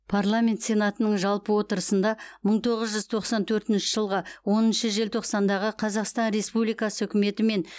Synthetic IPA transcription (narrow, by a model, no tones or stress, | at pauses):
pʰarlˠamʲe̞nt̪sʲe̞nat̪ənəɴʒɑlˠpəwo̞t̪əɾəsənd̪ɑməɴt̪ʰo̞ʁəzʒʏzt̪ʰo̞qsɑnt̪ʰɵɾt̪ɪnʃɪʒəlˠʁəwo̞nənʃəʒe̞lt̪ʰo̞qsɑnd̪ɑʁəqʰɑzɑqst̪ɑnɾe̞spublijkɑsəɵkʲɪme̞t̪ɪme̞n